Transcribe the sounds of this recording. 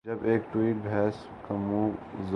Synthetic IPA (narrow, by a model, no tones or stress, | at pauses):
d͡ʒɐbeːkʈwiːʈ̚bʱɛːs | kɐmũːz